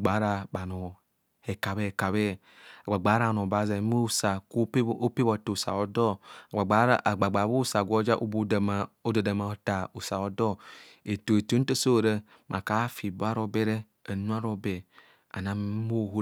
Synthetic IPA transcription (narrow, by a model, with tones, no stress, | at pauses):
ɡ͡ba˨˦ɾa˨ɓa˨no˨ | he˨ka˨be˦˨ka˨βe˦˨ | a˨ɡ͡ba˨ɡ͡ba˨˦ɾa˦˨no˨ba˨˦ze˨˦mo˦˨sa˨ku˦o˦pe˦βo˨to˨u˨sa̰˨o˨dɔ˦˨a˨ɡ͡ba˨ɡ͡ba˦ɾ̰ɡ͡ba˨ɡ͡ba˨bu˦˨sa˨ɡʷo˦d͡ʒa˦ʔo˦bu˦˨o˦da˨da˨ma˨o˨ta˨u˨sa˨o˨dɔ˦ | e˨to˨e˨to˨˦te˦so˦˨ɾe˦ | mʔa˨ka˨˦fi˨bo˦a˦ɾo˦be˦ɾe˦ | ə˨nu˦a˦ɾo˦be˨ | a̰˨na˨m˦mo˦˨ɦu˦